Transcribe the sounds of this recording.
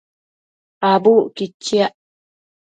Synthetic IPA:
abuːʔkit͡ʃːiaʔ

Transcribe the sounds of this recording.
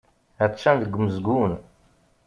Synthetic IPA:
æt̪ʃænðəɡʷːməzɡun

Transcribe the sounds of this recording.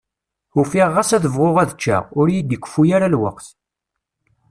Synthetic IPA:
ufiʁːasæθəvʁoʁæðt͡ʃːa̰ʁʊɾjid̪əkʷːfujaɾalwə̰qθ

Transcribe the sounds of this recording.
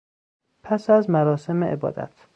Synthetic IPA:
pʰæsæzmæɾɒːse̞meʔebɒ̰ːd̪æ̰t̪ʰ

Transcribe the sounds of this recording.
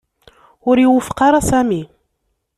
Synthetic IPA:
ʊɾjwəfqɑɾˤɑsæmi

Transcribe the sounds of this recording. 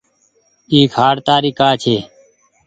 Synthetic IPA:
iːkʰaːɽt̪aːɾiːkaːt͡ʃʰeː

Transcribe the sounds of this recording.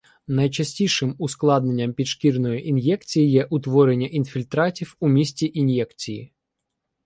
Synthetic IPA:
nɐjt͡ʃɐsʲtʲijʃɪmʊsklˠɑd̪ne̞nʲːɐmpʲid̪ʃkʲirnɔjiʔinjɛk̚t͡sʲijijɛʔʊt̪ʋɔɾenʲːɐʔinfʲilʲt̪ɾɑtʲiwʊmʲisʲtʲiʔinjɛkt͡sʲijḭ

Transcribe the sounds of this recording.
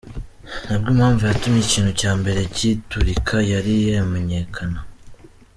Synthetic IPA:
nabɡuːmhaːɱvujatumjiciːnhucaːmbe̞ɾe̞cituɾikʰajaɾijeame̞ɲe̞kʰana

